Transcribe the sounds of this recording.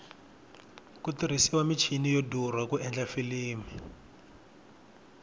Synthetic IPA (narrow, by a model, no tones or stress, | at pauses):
kutiɾ̤isiwamit͡ʃʰinijodurwakuʔɛnd͡ɮafiliːmi